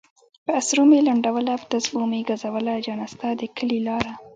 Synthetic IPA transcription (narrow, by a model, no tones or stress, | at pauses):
pəasɾumelaɳɖawəlapət̪asbumeɡazawəlad͡ʒɑnast̪ad̪əkʰəlilɑɾa